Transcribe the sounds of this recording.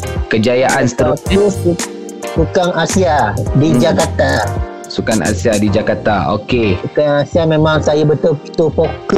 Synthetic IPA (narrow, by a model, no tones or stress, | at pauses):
kəd͡ʒajaʔanst̪əɾot̪usu | sukaŋasiadid͡ʒakat̪a | sukana̰siadid͡ʒakat̪ao̰kesukaŋasiamemãŋsajabət̪ʊi̥t̪upokə